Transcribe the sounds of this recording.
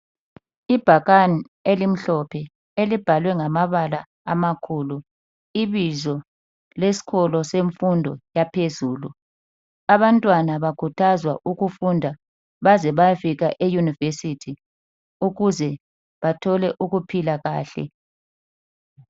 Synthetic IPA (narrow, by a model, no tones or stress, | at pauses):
ib̥ʱaɣani | elim̩ɬɔpʰɛ | elib̥ʱalwɛŋamaβalaː | makʰuːlu | iβizɔ | lesi̥ɣɔlɔseɱfundʱɔ̰japʰezuːlu | aβantʼwanaβakʰutʰazwa̰ʔuɣufundʱa | βazɛβafiɣaʔejunivesitʰi | uɣuzɛ | βatʰɔlɛʔuɣupʰilaɣaːɬɛ̰